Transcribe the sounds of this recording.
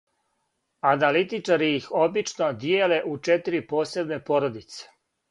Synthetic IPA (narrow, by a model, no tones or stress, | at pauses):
analit̪it͡ʃaɾiixo̞bit͡ʃnod̪jeːle̞ʔut͡ʃet̪iɾipo̞ːse̞bne̞po̞ɾod̪it̪se̥